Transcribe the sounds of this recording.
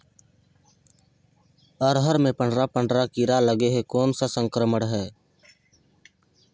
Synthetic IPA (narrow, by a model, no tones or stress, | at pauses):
əɾɦəɾmẽpəɳɖɾapəɳɖɾakiɾaləɡeɦekoːnsasə̃ŋkɾəməɽɦɛː